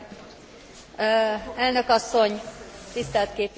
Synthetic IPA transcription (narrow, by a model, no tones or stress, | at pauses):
ɛlnø̞kɒsːo̞ɲt̪ist̪ɛlt̪keːp